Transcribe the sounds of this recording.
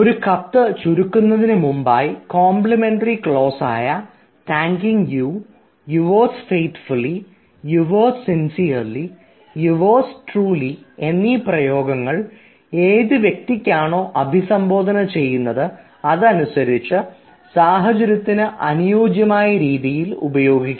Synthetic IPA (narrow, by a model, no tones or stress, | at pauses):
o̞ɾukɐt̪ːɨt͡ɕuɾukːunːɐðinɨmumbaːjkoːmpɭɐme̞ɳɖɐrikɭo̞ːsa̰ːjɐ | taːŋkiŋjuː | juʋoːsfe̞jʈfulːi | juʋoːsinsijɐrli | juʋoːsʈruːlie̞nːiprɐjo̞ːɡɐŋːɐɭ | e̞ːðɨʋje̞k̚t̪ikʲːaːɳo̞ːʔɐbʱisɐmbo̞ːd̪ʱɐnɐt͡ɕe̞jːunːɐðɨ | ɐðɨɐnusɐɾit͡ɕːɨ | saːɦɐt͡ɕɐɾjɐt̪ːinɨʔɐnujoːɡjɐmaːjɐɾiːðijilṵbɐjo̞ːɡikʲː